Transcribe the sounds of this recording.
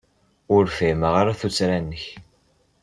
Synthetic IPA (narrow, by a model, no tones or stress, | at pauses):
ʊɾfɪməʁaɾaθut͡sːɾænːəç